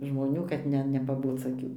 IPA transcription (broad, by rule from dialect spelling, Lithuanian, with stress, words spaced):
ʒmoːˈnʲuː kɐt ˈnʲɛ nʲɛpɐˈboːt͡s ɐˈkʲuː